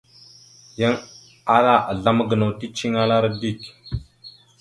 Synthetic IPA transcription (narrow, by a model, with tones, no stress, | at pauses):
ja˦ŋ | a˦la˦˨ʔa˨ɮa˦mə˦ɡə˨no˨ti˦t͡ʃi˦ŋa˦la˦ɾa˦di˦˨k